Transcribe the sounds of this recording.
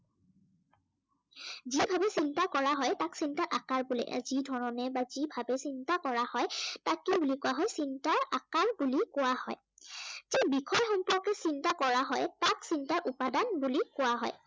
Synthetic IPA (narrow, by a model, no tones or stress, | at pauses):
zibʱabɛsintakɔɹaɦɔjtaksintaɹʔakaɹbulɛ̰ʔzidʱɔɹɔnɛbazibʱabɛsintakɔɹahɔjtakebulikʊwaɦɔjsintaɹakaɹbulikʊwahɔ̰j | zɛbikʰɔjxɔmpɔɔkɛsintakɔɹaɦɔjtaksintaɹʔʊpadanbulikʊwaɦɔ̰j